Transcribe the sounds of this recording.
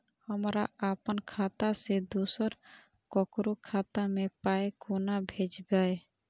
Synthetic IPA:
həmɾaapənkʰaːt̪ased̪uːsəɾ | kɔkɾukʰaːt̪amẽpaekonabʱed͡ʒbae

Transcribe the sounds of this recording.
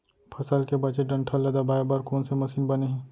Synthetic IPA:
pʰɐsəlkebɐt͡ʃeɖɐ̃ɳʈʰəlːɐd̪abaːjbaːɾkoːnsemɐsiːnbɐneɦɛ̃ː

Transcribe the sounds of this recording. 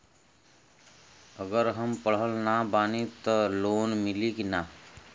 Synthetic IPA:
əɡəɾɦəmpəɽ̤əlnabaːnit̪ɔloːnmɪlikina

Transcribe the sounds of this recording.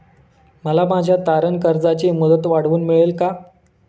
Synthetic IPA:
məlamad͡ʑʱjat̪aɾənkəɾd͡zat͡ɕeməd̪ət̪ʋaɽ̤ʋuːnmiɭelka

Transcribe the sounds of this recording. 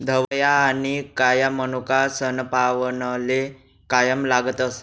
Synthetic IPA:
d̪ʱəʋjaːnikajamənukasənpaʋənəle | kajəmlaɡət̪əs

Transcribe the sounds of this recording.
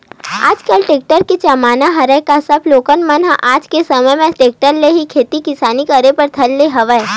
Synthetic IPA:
a̰ːd͡ʒkəlʈeːk̚ʈəɾket͡ʃɐmaːnaɦɐɾəkasɐbloːkənmənɦʔaːd͡ʒkesɐməjmẽʈeːk̚ʈəɾleɦikʰeːt̪ikɪsaːnikɐɾepɐɾt̪ʰɐlːeɦɐʋəe

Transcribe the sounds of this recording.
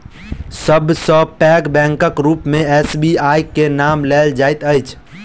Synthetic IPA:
səbʱsə̃pɛkbɛ̃ŋkəkɾupmẽɛsbiajkenamleld͡ʒajt̪əjt͡ʃʰ

